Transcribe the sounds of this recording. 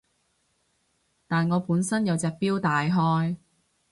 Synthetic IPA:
t̪aː˨nŋɔː˨˧puː˨˥nsɐ˥njɐ˨˧wt͡sɛː˨˧k̚piː˥wt̪aː˨jɦɔː˥j

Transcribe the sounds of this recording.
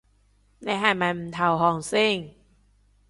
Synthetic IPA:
na˧˥ɦa˧˩ma˧˩nm̩˧t̪ʰa˧˩wɦɔː˧˩ŋsi˧˥˩ŋ

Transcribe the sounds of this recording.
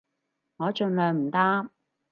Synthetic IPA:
ŋɔː˨˧t͡ʃɵ˧nlœː˨˧ŋm̩˨˩t̪aː˥m

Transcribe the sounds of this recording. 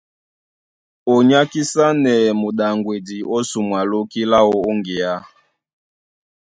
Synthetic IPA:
ɔ˨ɲa˦ki˦sa˦nɛ˨mu˨ɗa˨ŋɡwe˨di˨ʔɔ˦su˨mwa˨lo˦ki˦la˦ɔ˦o˦ŋɡe˨a˦

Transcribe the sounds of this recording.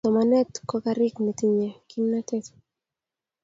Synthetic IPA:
tɔ˨ma˨nɛ˦t̪kɔ˦ka˦ɾɪkne˨t̪i˦ɲɛ˨ki˦nːa˦t̪ɛ˦t̪

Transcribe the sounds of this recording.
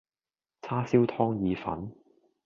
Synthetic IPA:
t͡sʰaː˥siː˥wt̪ʰɔː˥ŋjiː˨˧fɐ̰˨˥n

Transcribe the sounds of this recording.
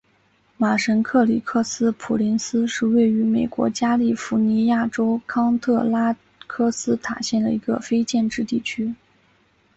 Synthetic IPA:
ma˨˩ʂə˧˥nkʰɤ˥˩li˨˩kʰɤ˥˩sɹ̩˥pʰu˨˩li˧˥nsɹ̩˥ʂɻ̩˥˧we˥˩ɪy˧˥me˨˩ɪkwɔ̰˧˥t͡ɕja˥li˥˩fu˧˥ni˧˥ja˥˩ʈ͡ʂo˥ʊkʰɑ˥ŋt̪ʰɤ˥˩la˥ | kʰɤ˥sɹ̩˥t̪ʰa̰˨˩ɕjɛ˥˩nd̪ə̰˩i˧˥ɡə̰˧fe˥ɪt͡ɕjɛ˥˧nʈ͡ʂɻ̩˥˧t̪i˥˩t͡ɕʰy˥

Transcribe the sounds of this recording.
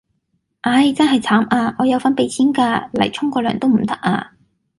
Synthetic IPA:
ʔɐ˨˧jt͡sɐ˥nɦɐ˨jt͡sʰaː˨˥mʔaː˧ŋɔː˨˧jɐ˨˧wfɐ˥npe˨˧jt͡sʰiː˥nkaː˧lɐ̰˨˩jt͡ʃʰʊ˥ŋkɔː˧lœː˨ŋt̪o˥wm̩˨˩t̪ɐ˦˥k̚ʔa̰ː˧

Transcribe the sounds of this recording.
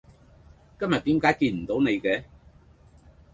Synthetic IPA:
kɐ˥mjɐ˨t̪̚iː˨˥mkaː˨˥jkiː˧nm̩˨˩t̪o˨˥wne˨˧jkɛː˧

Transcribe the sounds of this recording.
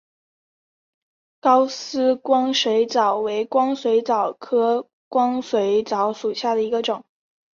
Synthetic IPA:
kɑ˥ʊsɹ̩˥kwɑ˥ŋʂwe˧˥ɪt͡sɑ˨˩ʊwe˧˥ɪkwɑ˥ŋswe˧˥ɪt͡sɑ˨˩ʊkʰɤ˥ | kwɑ˥ŋswe˧˥ɪt͡sɑ˧˥ʊʂu˨˩ɕja˥˩d̪ə˩i˧˥ɡə˧ʈ͡ʂʊ˨˩˦ŋ

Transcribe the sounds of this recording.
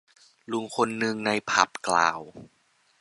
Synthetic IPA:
lu˧˩ŋkʰo˧nːɯ˧ŋna˧jpʰa˨˩p̚klaː˨˩w

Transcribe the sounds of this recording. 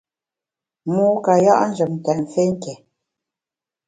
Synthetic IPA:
muː˦ka˨ja̰˦ʔn̩˦d͡ʒə˨mn̩˨tɛ˨ʔfe˦ŋ̩˦kɛ˨

